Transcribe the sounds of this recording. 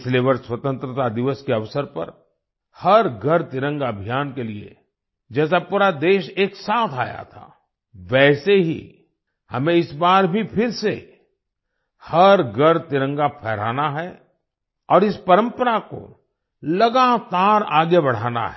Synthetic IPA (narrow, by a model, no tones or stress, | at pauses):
sleːʋəɾswɐt̪ə̃nt̪ɾət̪ad̪ɪʋəskeɐʋsəɾpɐ̰ɾ | hɐɾɡʱɐɾt̪ɪɾə̃ŋɡɐbʱijaːnkeliḛ | d͡ʒɛːs̬apuːɾad̪eːʃeːksaːt̪ʰaːja̰t̪ʰa̰ː | ʋɛːseɦḭ | hɐmẽɪsbaːɾbʱipʰɪɾse | hɐɾɡʱɐɾt̪ɪɾə̃ŋɡapʰɛːɾ̤a̰ːnaɦɛ | ɔːɾɪspɐɾə̃mpəɾako̰ | lɐɡat̪aːɾaːɡebɐɽ̤a̰ːna̰ɦɛ